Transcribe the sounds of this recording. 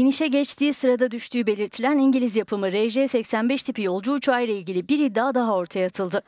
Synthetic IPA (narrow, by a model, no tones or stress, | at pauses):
iniʃɛɟɛt͡ʃt̪ʰiːsɯɾad̪ad̪yʃt̪ʰyːbe̞lʲiɾt̪ʰilʲæniɲɟilʲizjapʰɯmɯɾɛʒɛsɛcsænbɛʃt̪ʰipijo̞lˠd͡ʒuːt͡ʃʰuajlʲˠailʲɟilʲibiɾid̪ːaːd̪aɦao̞ɾt̪ʰajaːt̪ʰɯlˠd̪ɯ